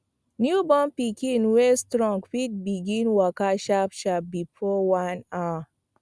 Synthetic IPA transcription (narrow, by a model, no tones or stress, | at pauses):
njubɔ̃mpikĩnwestɹɔ̃ŋɡfit̚biɡĩnwɔkaʃapʃap̚bifɔwana